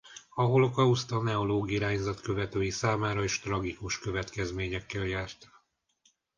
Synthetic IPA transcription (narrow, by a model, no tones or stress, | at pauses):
ɒɦo̞lo̞kɒust̪ɒnɛoloːɡiɾaːɲzɒt̪kø̞vɛt̪øːjisaːmaːɾɒeːʃt̪rɒɡikuʃkø̞vɛt̪kɛzmeːɲɛkːɛljaːrt̪